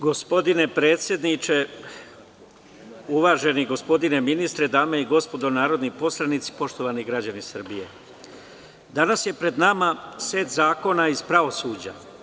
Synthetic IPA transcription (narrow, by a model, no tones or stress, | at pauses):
ɡo̞spo̞d̪ine̞pɾe̞ːt̪sʲje̞d̪nit͡ʃe̞ | uʋaːʒe̞niɡo̞spo̞d̪ine̞minist̪ɾe̞d̪aːme̞iɡo̞spo̞d̪o̞naːɾo̞d̪nipo̞slˠanit̪si̥po̞ʃt̪o̞ʋaniɡɾad͡ʑanisr̩bije̞̰ | d̪anasje̞pɾe̞d̪namase̞ːt̪zaːko̞naiz̥pɾaʋo̞suːd͡ʑa̰